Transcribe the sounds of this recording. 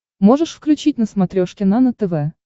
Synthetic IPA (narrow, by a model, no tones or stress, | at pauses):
moʐəʂfklʲʉt͡ɕitʲnəsmɐt̪ɾʲoʂkʲɪnanət̪əvɛ